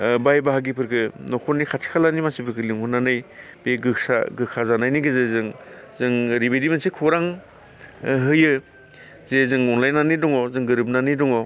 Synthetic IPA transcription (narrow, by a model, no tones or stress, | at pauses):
bajbaɦaɡipʰɯɾkʰɯnɔkʰɔnːikʰatʰi̥kʰalanimasipʰɯɾkʰɯliŋhunːanɯjbeɡɯsa̰ɡɯkʰazanajniɡɯzezɯŋ | zɯŋɾibedimansikʰuɾaŋ | ɦɯjɯ | zezɯŋɔŋlajnanidɔŋɔzɯŋɡɯɾɯp̚nanidɔŋɔ